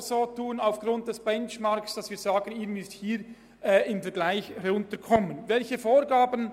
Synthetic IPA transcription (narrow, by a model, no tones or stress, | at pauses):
soːtʰuːənaʊfɡ̥rʊnt̚d̥ɛsb̥ɛnt͡ʃmɑɾksd̥ɑsv̥iːɐzaːɡənɪɡn̩ɪsthiːɾ | ɛːɪmfɛɐɾɡlaɪçʊntəkʰɔmənvɛlçəfoːɾɡaːbən